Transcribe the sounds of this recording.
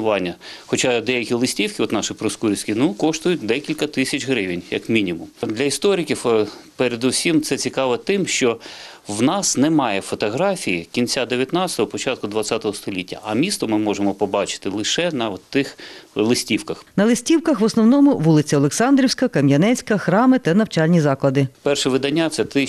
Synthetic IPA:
ʊʋɑnʲːɐxɔt͡ʃɑd̪ɛjɐkʲilˠɪsʲtʲiwkʲɪɔt̪nɑʃɪpɾɔskuɾʲisʲkʲinukɔʃt̪ʊjʊtʲd̪ɛkʲilʲkɐt̪ɪsʲɐt͡ʃɦɾɪʋʲɪnʲjɐ̰kmʲinʲimʊmd̪lʲɐist̪ɔɾʲɪkʲiwpeɾed̪ʊsʲimt̪sɛt͡sʲikɑʋɛt̪ɪmʃt͡ʃɔ | wnɑsnɛmɑjɛfɔt̪ɔɦɾɑfʲijikʲint͡sʲad̪eʋʲjɐt̪nɑt͡sʲsʲɪ̥t̪ɔɦɔpɔt͡ʃɑt̪̚kʊd̪ʋɐt͡ssʲat̪ɔɦɔst̪ɔlʲitʲːɐ̰ʔɐmʲist̪ɔmɪmɔʒemɔpɔbɑt͡ʃɪ̥t̪ɪlˠɪʃɛnɐt̪ɪxlˠɪsʲtʲiwkɐxnɐlˠɪsʲtʲiwkɐxʋɔsnɔwnɔmʊʋulˠɪt͡sʲɐɔlˠeksɑnd̪ɾʲiwsʲkɐkɐmʲjɐnɛsʲkɐxɾɑmɪt̪ɐnɐwt͡ʃɑlʲnʲizɑklˠɐd̪ɪpɛrʃɛʋɪd̪ɐnʲːat̪sɛt̪ɪ

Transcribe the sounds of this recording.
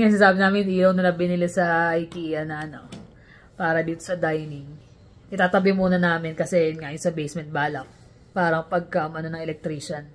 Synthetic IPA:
ŋasɐsaːbɪnaːmɪnʔiːlownɐlɐbɪnɪlɪsɐʔajk̪iɐnɐʔɐno | paːɾɐd̪iːt̪osɐd̪ajnɪŋ | ʔɪt̪aːt̪ɐbɪmuːnɐnaːmɪnkɐsɛjnŋaʔjʊnsɐbejsmɛnt̪̚baːlɐk̚ | paːɾɐŋpɐɡ̚kaʔʊmʔɐnonɐŋɛlɛk̚t̪ɾiːʃɐn

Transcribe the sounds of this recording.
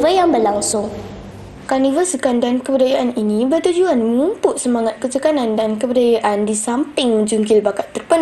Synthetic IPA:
vəjaŋbərlaŋsʊŋ | kanivəsəkandankəbədajaʔaninĩbərt̪ud͡ʒuanməŋumpʊʔsəmaŋat̪̚kət͡ʃəkanãndankəbədajaʔandisampɪŋməd͡ʒuŋkɪlbakat̪ːərpən

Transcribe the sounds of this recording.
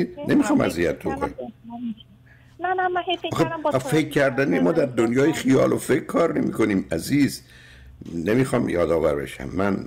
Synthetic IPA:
nʔemiːxɒːmæ̰zijæt̪̚b̪oko̰ni | ɒːxefekʰːæɾd̪ænimɒːd̪æɾd̪onjɒːjexijɒ̰ːlofekkʰːɒːɾne̞mḭːko̞niːmæziːz | nemiːxɒːmjɒːd̪ɒːvæɾbe̞̰ʃæ̰mːæn

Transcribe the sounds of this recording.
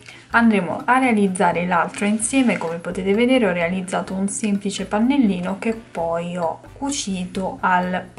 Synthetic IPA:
and̪ɾeːmo̰ʔarːealid̪zːaːɾelalt̪ɾoinsjɛːmekomepot̪eːt̪eved̪eːɾeɔrealid̪zːaːt̪ounsemplit͡ʃepanːelːiːnok̟epːɔjɔkːut͡ʃiːt̪oʔal

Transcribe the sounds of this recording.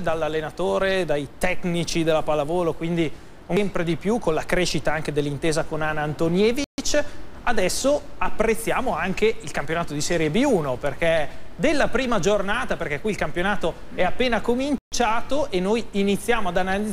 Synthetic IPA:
d̪alːalːenat̪oːɾed̪ajt̪ɛknit͡ʃid̪elːapalavoːlokwind̪i | umpɾed̪ipjukonlakɾeːʃit̪aaŋk̟ed̪elːint̪eːzakonanaːnt̪onjɛːvit͡ʃad̪ɛsːoapːɾet̪sːjaːmoaŋkeilkampjonaːt̪od̪isɛːɾjebiuːnoperked̪elːapɾiːmad͡ʒornaːt̪aperk̟ɛkːwiːlkampjonaːt̪o | ɛapːeːnakomint͡ʃaːt̪oʔenːojinit̪sːjaːmoad̪anali

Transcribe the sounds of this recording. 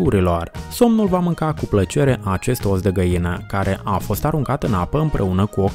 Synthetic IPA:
uɾilo̞rso̞mnulvamɨŋkakuplət͡ʃe̞ɾe̞ʔat͡ʃe̞st̪o̞sd̪eɡəjinəkaɾe̞ʔafo̞st̪aɾuŋkat̪ɨnapəɨmpɾʔe̞unəkuo̞k

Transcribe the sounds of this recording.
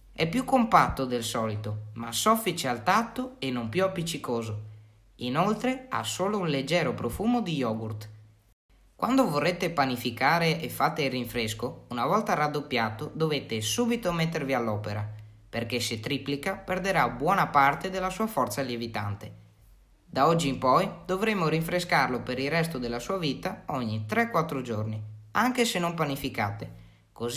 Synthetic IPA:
ɛpːjukːompat̪ːod̪elsɔːlit̪omasɔfːit͡ʃealt̪at̪ːoenːompjuapːit͡ʃːikoːzo | inolt̪ɾea̰soːlounled͡ʒɛːɾopɾofuːmod̪ijɔːɡurt̪ | kwʔand̪ovorːet̪ːepanifikaːɾeʔefːat̪ːeirːiɱfɾeskounavɔlt̪arad̪ːopːjaːt̪od̪ovet̪ːesuːbit̪omet̪ːervialːɔːpeɾa | perk̟eset̪ːɾiplikaperd̪eɾabwɔːnapart̪ed̪elːasuːafɔrt̪saljevit̪a̰nt̪e | d̪aɔd͡ʒːiːmpɔjd̪ovɾemːoɾiɱfɾeskarlopeɾilrɛst̪od̪elːasuːaviːt̪aɔɲːit̪ɾɛkːwat̪ːɾod͡ʒorniaŋk̟esenːompanifika̰t̪e | koz

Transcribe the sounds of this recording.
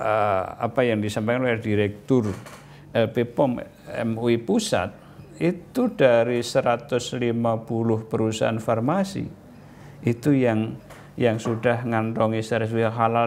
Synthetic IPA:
əa̰pajaŋdisampakanlɛrdiɾɛk̚t̪ʊr | ɛlpepɔm | ɛ̰muipusa̰t̪̚ | it̪ud̥aɾisəɾat̪ʊslimapulʊhpəɾusa̰anfarmasḭ | it̪ujaŋ | jaŋsudahŋant̪ɔŋisɛɾɛs̬iaɦala

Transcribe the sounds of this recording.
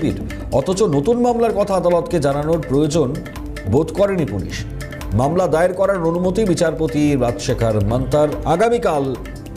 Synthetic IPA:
bḭɾ | ɔt̪ʰot͡ɕonot̪unmamlaɾkɔt̪ʰaad̪alot̪ked͡ʑananoɾpɾojod͡ʑon | bod̪kɔɾenipulḭʃ | mamlad̪aeɾkɔɾaɾonumot̪ibit͡ɕaɾpot̪iɾad͡ʑʃekʰaɾmant̪aɾaɡamikal

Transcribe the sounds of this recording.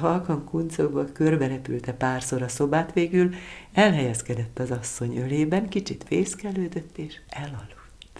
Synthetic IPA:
ɦɒlkɒŋkunt̪soɡbɒkø̞rbɛɾɛpy̰lt̪ɛpaːrso̞ɾɒso̞baːt̪ʋeːɡylɛlɦɛjɛskɛd̪ɛt̪ːɒzɒsːo̞ɲøleːbɛŋkit͡ʃit̪feːskɛløːd̪øt̪ːeːʃɛlɒlːut̪ː

